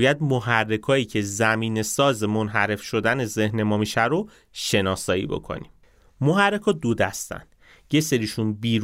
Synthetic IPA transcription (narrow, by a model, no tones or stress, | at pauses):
jæd̪̚moɦærːe̞kʰɒːiːcʰe̞zæmiːne̞sɒːzemonɦæɾe̞fʃo̞d̪æne̞zehne̞mɒːmiʃæɾo | ʃe̞nɒːsɒːḭbo̞̰kʰo̰nḭm | moɦærːe̞kʰɒːd̪od̪æst̪æ̰nd̪̥ | je̞seɾiːʃunbiːɾ